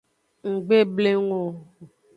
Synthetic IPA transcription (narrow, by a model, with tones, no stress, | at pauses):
ŋ̩˨ɡ͡be˦ble˦ŋo˨